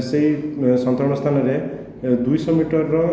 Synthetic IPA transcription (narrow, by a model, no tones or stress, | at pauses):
seisɔnt̪ɾɔɽ̃ɔst̪ʰanɔɾe | d̪ujsɔmiʈɔɾːɔ